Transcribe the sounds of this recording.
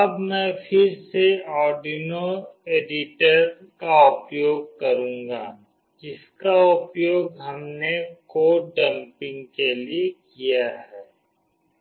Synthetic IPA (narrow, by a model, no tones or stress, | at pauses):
ɐbmɛ̃pʰɪɾseɔːɾɖinoeːɖɪʈəɾ | kaʊpjoːɡ̚kɐɾũːŋɡa̰ː | d͡ʒɪskaʊpjoːɡɦɐmnekoːɖɐ̃mpɪ̃ŋɡkeliekijaɦɛː